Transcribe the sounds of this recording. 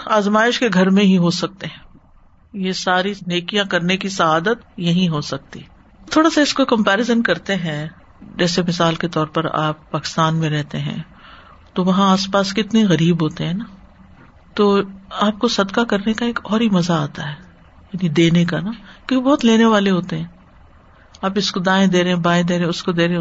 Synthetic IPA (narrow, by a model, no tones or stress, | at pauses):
aːzmaːɪʃkeɡʱɐɾmẽɦiɦosɐk̚t̪eɦɛ̃ː | jesaːɾineːkijãkɐɾnekisɐaːd̪ət̪jɐɦĩɦosɐk̚t̪ḭɦɛ | t̪ʰoːɽasaɪskokɐ̃mpɛːɾɪzənkɐɾt̪eɦɛ̃ | d͡ʒɛːsemɪsaːlket̪ɔːɾpɐɾa̰ːpːaːkɪ̥st̪aːnmẽɾɛɦt̪eɦɛ̰̃ | t̪oʋɐɦãaːspaːskɪt̪neɣɐɾiːbɦoːt̪eɦɛ̃na | t̪oːaːp̚kosɐd̪kakɐɾnekaeːkɔːɾɦimɐzaaːt̪aɦɛː | jaːnid̪eːnekanakɪbɔːt̪leːneʋaːleɦoːt̪eɦɛ̃ː | aːpɪskod̪aːẽd̪eːɾeɦɛ̃baːẽd̪eːɾẽɛ̃ʊskod̪eːɾẽ